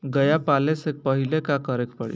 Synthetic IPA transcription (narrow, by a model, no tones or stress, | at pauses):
ɡəjapalesek̚pəɦilekakəɾekpəɽḭ